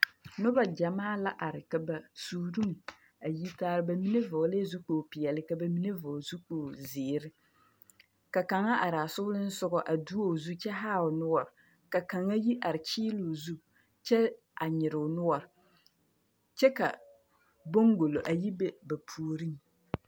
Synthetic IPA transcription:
nʊ˦ba˨d͡ʒa˨maː˦la˦ʔa˨ɾɪ˨ka˨ba˨suː˨˦ɾu˦m˨ | a˨ji˦taː˦ɾɪ˨˦ba˨mi˦ne˦vʊ˨˦le˦zu˦k͡poː˨pɪ˨jɛ˨lɪ˦ka˨ba˨mi˦ne˦vɔ˨zu˦k͡poː˨zɪː˨ɾɪ˦ | ka˨ka˨ŋa˦ʔa˨ɾa˨sʊ˦lɪ˦n̩˦sʊ˦ɡɔ˨ʔa˨du˦o˦˨zu˦t͡ʃɛ˦ɦaː˦˨ʊ˨nʊ˦wɔ˨ɾɪ˨ | ka˨ka˨ŋa˦ji˦ʔa˨ɾɪ˨t͡ʃiː˦lu˨zu˦ | t͡ʃɛ˦ | ʔa˨ɲɪ˨ɾɪ˨ʊ˨nʊ˦wɔ˨ɾɪ˨ | t͡ʃɛ˦ka˨ | bo˦ŋɡo˨lo˨ʔa˨ji˦be˦ba˨pʰuː˨ɾi˦ŋ

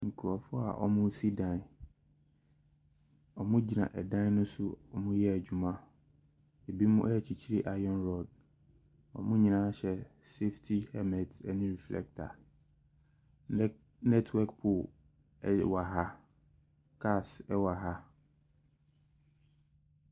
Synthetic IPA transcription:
ŋ̩˨kʰu˨ɾɔ˨fʊ˦a̰˨ʔɔ̰˨mʊ̃˦si˦dã˨n˨ | ɔ˨mʊ̃˦d͡ʑi˨nã̰˨ʔɛ˨dã˦n˦nʊ̃˦sʊ˦ɔ˨mʊ̃˦jɛ˦æ˨d͡ʑᶣu˨mã˦ | e˨bi˦mʊ̃˦ʔɛ˦˨t͡ɕʰi˨t͡ɕʰi˦ɾi˦ʔa˨jɔ̃˦nɾɔ˨d̚ | ɔ̰˨mʊ̃˦ɲĩ˨nã˦ɕɛ˨ | se˦ftʰi˦hɛ˦mɛ̃˨tɛ˨nĩ˦ɾi˨flɛ̰˦k̚tʰa̰˨ | nɛ˦tʰwɛ˦kpʰʊ˨˦ | wa˨ɦa˦ | kʰa˦sɛ˦wa˨ɦa˦

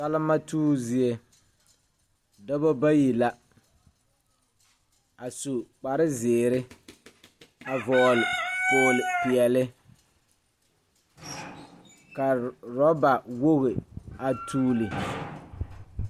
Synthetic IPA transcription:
sa˦lɪ˦ma˦tuː˦zi˦e˦ | dɔ˦bo˦ba˦ji˨la˦ | a˨su˨k͡pa˨ɾɪ˦zɪː˨ɾɪ˦ | a˨vɔː˨lfʊː˨lɪ˨pɪ˨ɛ˨lɪ˦ | ka˨ɾɔ˦ba˨wo˦ɣɪ˨a˨tʰuː˦lɪ˨

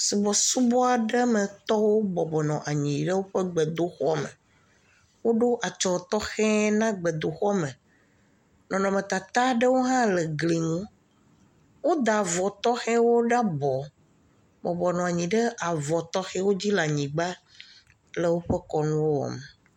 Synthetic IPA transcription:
si˨bɔ˨su˦bɔ˦a˨ɖə˦me˨t̪ɔ˦wo˦bɔ˨bɔ˨nɔ̃˨ʔa˨ɲĩ˨ɖə˦wo˦ɸɛ˦ɡ͡bɛ˨d̪o˦xɔ˦mɛ̰˨ | wo˦ɖo˦ʔa˨t͡ʃɔ˨t̪ɔ˦xɛ̃˦nã˦ɡ͡bɛ˨d̪o˨xɔ˦mɛ˨ | nɔ̃˨nɔ̃˨mẽ˨t̪a˨t̪a˦ɖə˦wo˦ɦã˦lɛ˨ɡli˨ŋũ˦ | wo˦d̪a˨vɔ˨t̪ɔ˦xɛ˦wo˦ɖa˦bɔ˨ | bɔ˨bɔ˨nɔ̃˨a˨ɲĩ˨ɖə˦ʔa˨vɔ˨t̪ɔ˦xɛ˦wo˦d͡ʑi˦la˨ɲĩ˨ɡ͡ba˦ | le˦wo˦ɸe˦kɔ˨nũ˦wo˦wɔ̰˨me˨

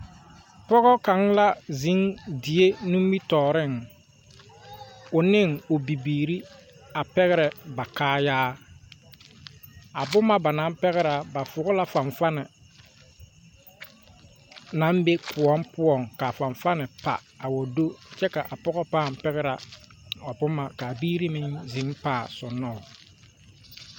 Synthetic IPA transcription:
pɔ˦ɣɔ˦ka˨ŋla˦zi˨˦ŋdi˨e˦nũ˦mbi˦tɔː˨ɾɪ˦˨ŋ | ʊ˨nɪ˦ŋʊ˨bi˨biː˨ɾi˦a˨pɛ˦ɣɛ˦ɾɛ˨ba˨kaː˦jaː˦ | a˨bʊ˦ma˦ba˨na˨˦m˦pɛ˦ɣɛ˦ɾa˨ba˨fʊ˨ɡʊ˦la˦fa˨ɱfa˦nɛ˨ | na˨˦mbe˦pʰʊ˨ɔ˦mpʊ˦ɔ˨ŋka˨fa˨ɱfa˦nɪ˨pa̰˨ | a˨wɔ˨do˦t͡ʃɛ˦ka˨ʔa˨pɔ˦ɣɔ˦paː˦˨m˨pɛ˦ɣɛ˦ɾa˨ | a˨bʊ˦ma˨ka˨biː˦ɾi˦mɪ˦ŋzɪ˨˦mpaː˦˨sʊ˨nːɔ˦˨ʊ˨

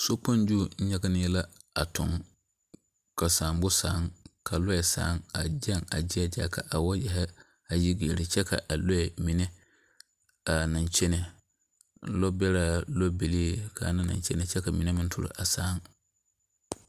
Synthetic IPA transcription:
so˦k͡pã˦n˦d͡ʒu˦˨ɲ̩˦ɲã˦ka˦nɪ̃˦ɛ˦la˦a˨tʰʊ̰̃˨ŋ | kʰa˨sãː˨mbʊ˦saː˨˦ŋkʰa˨lɔ˦ɛ˨sa̰ː˨˦ŋa˨d͡ʒɛ˦ŋa˨d͡ʒɪ˦a˦d͡ʒa̰ː˨kʰa˨ʔa˨wɔ˦jɛ˨ɦɛ˦ | a˨ji˦ɡe˨ɾɪ˨t͡ʃʰɛ˦kʰa̰˨ʔa˨lɔ˦ɛ˨mĩ˨nɛ̃˦ | a˨nã˨n˨t͡ʃʰɛ˦nɪ˨˦ | lɔ˦bɛ˦ɾa˨lɔ˦be˨li˦e˦˨kʰa̰˨˦nã˦nã̰˨n˦t͡ʃʰɛ˦nɪ̃˨t͡ʃʰɛ˦ka˨mĩ˨nɛ̃˦mɪ̃˦n˦tʰʊ̰˨ɾʊ̰˨ʔa˨saː˨˦ŋ

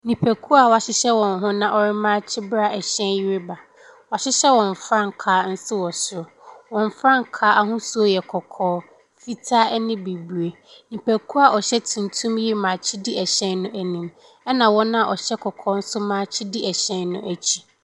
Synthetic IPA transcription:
nĩ˨pʰæ˨kʰu˦a˨wa˨ɕɪ˦ɕɛ˦wɔ̃˨ŋ˦ɦʊ̃˦nã˦ʔɔ˦ɾɪ˦mãː˦t͡ɕʰɪ˦bɾa˦ɛ˨ɕɛ̃˦nji˦ɾɪ˦ba˨ | wa˨ɕɪ˦ɕɛ˦wɔ̃˨ɱ˨fɾã˦˨ŋ˨kʰaː˨˦n̩˦sɪ˦wɔ˨sʊ˦˨wɔ̃˨ɱ˨fɾã˦ŋkʰaː˦ʔa˨ɦʊ̃˦su˦o˦jɛ˨kʰɔ˨kʰɔː˦ | fi˦tʰa˦ɛ˦nɪ̃˦bi˨bɥe˨ | nĩ˨pʰæ˨kʰu˦a˨ʔɔ˨ɕɛ˦tʰũ˨ntʰũ˦mji˦mã˨t͡ɕʰɪ˦di˦ɛ˨ɕɛ̃˦nːʊ̃˦ʔæ˨nĩ˨m | ɛ˦nã˨wɔ̃˦nã˦a˨ɔ˨ɕɛ˦kʰɔ˨kʰɔː˦n̩˦sʊ˦mãː˨˦t͡ɕʰɪ˦di˦ɛ˨ɕɛ̃˦nnʊ̰̃˦ʔæ˨t͡ɕʰi̥˦

